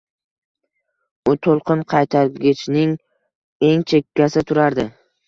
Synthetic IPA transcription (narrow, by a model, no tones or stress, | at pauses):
ʊt̪ʰolˠqʰɨnqʰɑjt̪ʰaɾɡʲɪt͡ʃnɪŋ | e̞ŋt͡ʃʰe̞kʲːasɪt̪ʰʊɾaɾd̪ɪ